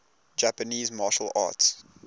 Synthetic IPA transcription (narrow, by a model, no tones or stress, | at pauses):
d͡ʒæpəniːzmɑʃəlɑ̰ːts